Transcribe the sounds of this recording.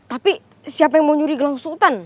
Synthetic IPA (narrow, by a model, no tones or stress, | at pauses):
t̪api | siapajaŋmoɲuɾiɡəlaŋsult̪an